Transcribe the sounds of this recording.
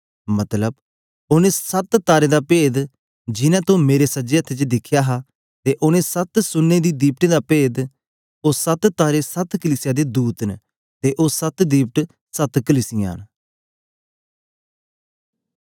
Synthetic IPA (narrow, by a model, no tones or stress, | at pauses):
mət̪ləb | ʊnẽːsət̪t̪aːɾeːd̪aːpeːd̪ | d͡ʒɪnɛ̃ːt̪õmeːɾesəd͡ʒeːət̪ʰːet͡ʃd̪ɪkʰːjaːɦaː | t̪eːʔʊnẽːsət̪sʊnːed̪iːd̪iːp̚ʈẽːd̪aːpeːd̪ | oːsət̪t̪aːɾeːsət̪kəliːsɪjaːd̪eːd̪uːt̪n | t̪eːʔoːsət̪d̪iːp̚ʈ | sət̪kəliːsɪja̰ːn